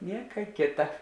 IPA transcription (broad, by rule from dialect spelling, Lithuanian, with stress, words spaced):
ˈnʲiɛkɐ ˈkʲeːtɐ